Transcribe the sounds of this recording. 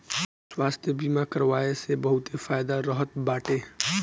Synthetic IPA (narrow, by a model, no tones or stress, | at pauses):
swaːst̪ʰjəbiːmakəɾʋaːesebɐɦʊt̪efaːjd̪aɾɔɦət̪̚baːʈeː